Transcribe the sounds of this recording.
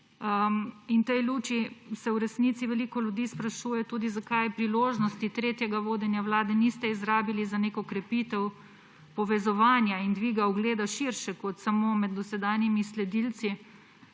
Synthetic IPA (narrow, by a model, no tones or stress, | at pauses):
əint̪ɛjluːt͡ʃisɛwɾɛsnit̪siʋɛlikɔljud̪iːspɾaʃuːjɛt̪uːd̪izakajpɾiloːʒnɔst̪it̪ɾeːt̪jɛɡaʋoːd̪ɛnjawlaːd̪ɛnist̪ɛizɾaːbilizaneːkɔkɾɛpit̪ɛw | pɔʋɛzɔʋaːnjaind̪ʋiːɡawɡleːd̪aʃiɾʃɛkɔt̪samomɛd̪̚d̪ɔsɛd̪aːnjimislɛd̪ilt̪si